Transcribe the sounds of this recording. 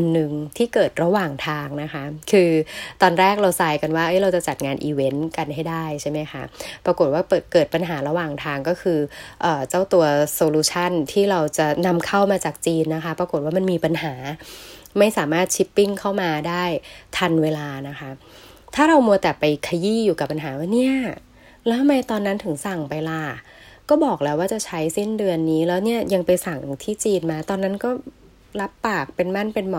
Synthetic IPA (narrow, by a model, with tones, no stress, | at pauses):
ʔa˧nːɯ˨˩ŋt̪ʰiː˥˩kɤː˨˩t̪̚ɾa˧waː˨˩ŋt̪ʰaː˧ŋna˦˥kʰa˦˥kʰɯː˧t̪ɔː˧nɾɛː˥˩k̚ɾa˧wsaː˧jka˧nwaː˥˩ʔɤ˦˥jɾa˧wt͡ɕa˨˩t͡ɕa˨˩t̪̚ŋaː˧nʔiː˧we˦˥nka˧nɦa˥˩jdaː˥˩jt͡ɕʰa˥˩jma˦˥jkʰa˦˥pɾa˧ko˨˩t̪̚waː˥˩pɤː˨˩t̪̚kɤː˨˩t̪̚pa˧nɦaː˩˦ɾa˧waː˨˩ŋt̪ʰaː˧ŋkɔː˥˩kʰɯː˧ʔɤː˨˩t͡ɕa˥˩wt̪u˧ɐsoː˧luː˧˥t͡ɕʰa˥˩nt̪ʰiː˥˩ɾa˧wt͡ɕa˨˩na˧mkʰa˥˩wmaː˧t͡ɕaː˨˩k̚t͡ɕiː˧nːa˦˥kʰa˦˥pɾa˧ko˨˩t̪̚waː˥˩ma˧nmiː˧pa˧nɦaː˩˦ | ma˥˩jsaː˩˦maː˥˩t̪̚t͡ɕʰi˦˥pːi˥˩ŋkʰa˥˩wmaː˧daː˥˩jt̪ʰa˧nweː˧laː˧na˦˥kʰa˦˥t̪ʰaː˥˩ɾa˧wmu˧ət̪ɛː˨˩pa˧jkʰa˧jiː˥˩juː˨˩ka˨˩pːa˧nɦaː˩˦waː˥˩ni˥˩ɐ | lɛː˦˥˧ma˧jt̪ɔː˧nːa˦˥nt̪ʰɯ˩˦ŋsa˨˩ŋpa˧jlaː˧˩ | kɔː˥˩bɔː˨˩k̚lɛː˦˥waː˥˩t͡ɕa˨˩t͡ɕʰa˦˥jsi˥˩ndɯ˧ənːiː˦˥lɛː˦˥wni˥˩ɐja˧ŋpa˧jsa˨˩ŋt̪ʰiː˥˩t͡ɕiː˧nmaː˧t̪ɔː˧nːa˦˥nkɔː˥˩ | la˦˥pːaː˨˩k̚pe˧nma˥˩npe˧nmɔ˨˩